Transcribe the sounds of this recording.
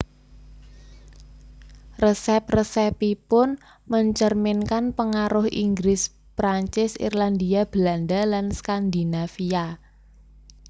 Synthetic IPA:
rəsɛp̚rəsɛpipʊn | məɲt͡ʃərmɪnkanpəŋaɾʊhḭŋɡɾɪs | pɾaɲt͡ʃɪsḭrland̪iab̥land̪alanskand̪inafia

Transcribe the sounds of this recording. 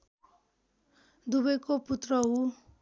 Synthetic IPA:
d̪ubʌjkoput̪rʌɦu

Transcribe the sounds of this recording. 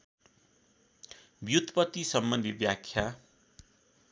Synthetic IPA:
bjut̪pʌt̪isʌmːʌnd̪ʱibjakʰːja

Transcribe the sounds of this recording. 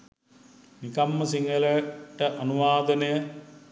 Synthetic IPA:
nikamːəsiŋɡələʈəʔanuʋaːd̪ənəjə

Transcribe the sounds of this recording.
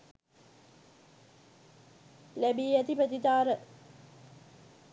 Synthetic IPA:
læbiːɛt̪ipət̪it̪aːɾə

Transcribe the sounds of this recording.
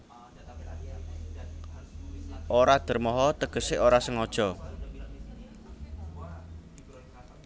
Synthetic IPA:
ʔoɾad̪̥ə̤rmɔɦɔt̪əɡ̥ə̤seʔoɾasəŋɔd̥ʒ̥ɔ̤

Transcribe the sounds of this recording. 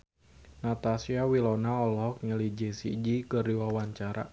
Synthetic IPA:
nat̪asiawilɔnaɔlɔɦɔk̚ɲəlid͡ʒisḭd͡ʒikərdiwawaɲt͡ʃaɾa̰

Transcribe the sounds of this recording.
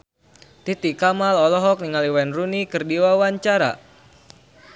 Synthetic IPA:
t̪it̪ikamalɔlɔɦɔk̚niŋaliwɛnrunikɨrdiwawaɲt͡ʃaɾa̰

